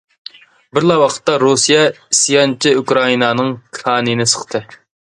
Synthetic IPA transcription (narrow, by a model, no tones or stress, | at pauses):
bɪɾlˠɑwɑqʰə̥t̪ːɑɾusijɛisjɑnt͡ʃʰiukɾɑinɑnɨŋkʰɑːnɨnɪsə̥χt̪ʰɨ